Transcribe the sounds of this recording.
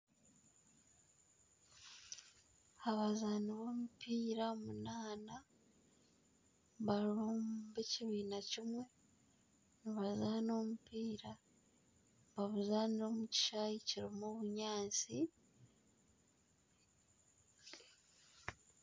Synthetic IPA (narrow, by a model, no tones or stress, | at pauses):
aβazaːniβo̞ːmupiːɾaomunaːna | βaɾuːmbeciβiːnacimwe̞ | niβazaːno̞mupiːɾa | βaβuzaːniɾo̞ːmuci̥ʃajiciɾimoβuɲaːnt͡si